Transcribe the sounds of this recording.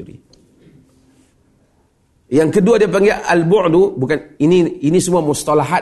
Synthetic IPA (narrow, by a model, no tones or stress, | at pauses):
ɾḭ | jaŋkəduadiapaŋɡeʔalbʊʔd̪ubukaniniinisəmuamust̪alaɦa